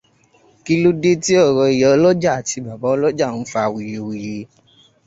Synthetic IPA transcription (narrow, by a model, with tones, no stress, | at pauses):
ki˦lu˦de˦ti˦ɔ˦˨ɾɔ˧i˨jɛ˨ɔ˦lɔ˦d͡ʒa˦˨a˨ti˧ba˨bɔ˨˦ɔ˦lɔ˦d͡ʒa˦˨ñ̩˦fa˧˨wi˨je˨wi˨je˧˦